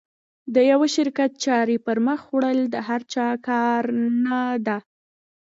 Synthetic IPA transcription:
d̪əjawaʃɪɾkat̪̚t͡ʃɑɾipəɾməxwɽəld̪əɦaɾt͡ʃɑkɑɾnad̪a

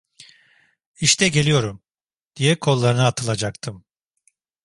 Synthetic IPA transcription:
iʃt̪ʰɛɟe̞lʲijo̞ɾum | d̪̥ijɛkʰo̞lˠːaɾɯnaːt̪ʰɯlˠad͡ʒak̚t̪ʰɯm

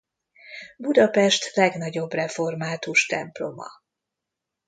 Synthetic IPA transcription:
bud̪ɒpɛʃt̪lɛɡnɒɟo̞brɛfo̞rmaːt̪uʃt̪ɛmplo̞mɒ̰

